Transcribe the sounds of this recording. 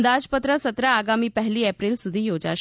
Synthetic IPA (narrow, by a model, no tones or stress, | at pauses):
nd̪ad͡zpət̪ɾəsət̪ɾaaɡamiːpəɦliːɛpɾilsud̪ʱiːjod͡za̰